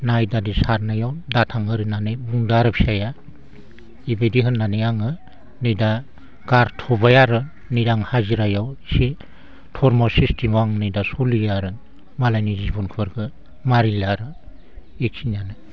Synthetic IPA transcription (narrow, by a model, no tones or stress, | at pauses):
najdadisaɾnajawdatʰaŋɯɾinanɯjbuŋdaɾɯpʰi̥saja | ibediɦɯnːanejaŋɯ | nɯjda | ɡaɾtʰɔbajaɾɯ | nidaŋhaziɾajawsi | tʰɔɾmɔsistimwaŋnɯjdasolijaɾɯ | malajnizibɔnkʰɯɾɡʰɯ | maɾilaɾɯ | eksʰinanɯ